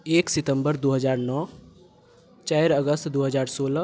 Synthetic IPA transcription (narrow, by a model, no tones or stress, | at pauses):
eːksɪt̪ə̃mbəɾd̪oːɦəzaːɾnɔː | t͡ʃaːɾəɡəst̪d̪oːɦəzaːɾsoːl